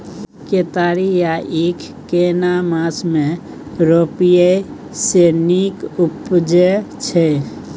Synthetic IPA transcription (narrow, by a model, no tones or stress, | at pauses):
ket̪aɾijaʔekʰ | kenamasme | ɾopije | senikupd͡ʒet͡ʃʰɛ